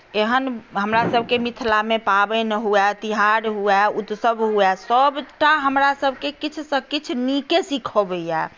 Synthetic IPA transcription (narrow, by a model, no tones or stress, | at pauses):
eɦənɦəmɾasəbʱkemit̪ʰlamepabɛnəɦuɛt̪iɦaɾɦuɛut̪səbɦuɛsəbʈaɦəmɾasəbʱkekit͡ʃʰsəkit͡ʃʰnikesikʰobəjɛ